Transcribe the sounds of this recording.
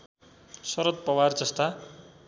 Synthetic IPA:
sʌɾʌt̪̚pʌward͡zʌst̪a

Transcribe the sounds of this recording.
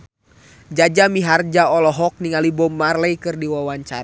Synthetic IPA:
d͡ʒad͡ʒamiɦard͡ʒaɔlɔɦɔk̚niŋalibɔmːarlɛjkɨrdiwawaɲt͡ʃa̰ɾ

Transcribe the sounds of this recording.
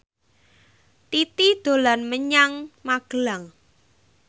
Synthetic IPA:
t̪it̪id̪̥o̤lanməɲaŋmaɡ̥əlaŋ

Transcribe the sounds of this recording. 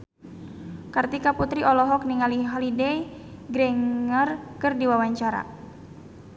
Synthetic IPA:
kart̪ikaput̪ɾiʔɔlɔɦɔk̚niŋaliɦalidɛj | ɡɾɛŋərkɨrdiwawaɲt͡ʃaɾa̰

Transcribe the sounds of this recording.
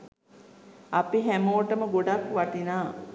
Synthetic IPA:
apiɦæmoːʈəməɡoɖakʋaʈinaː

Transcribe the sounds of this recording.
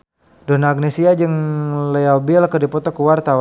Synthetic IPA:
dɔnaɡ̚nesiad͡ʒɨŋlɛɔbilkədipɔt̪ɔkəwart̪aw

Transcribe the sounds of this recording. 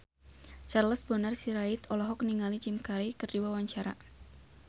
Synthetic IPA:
t͡ʃarləsbɔnarsiɾait̪ɔlɔɦɔk̚niŋalid͡ʒimkaɾikɨrdiwawaɲt͡ʃaɾa̰

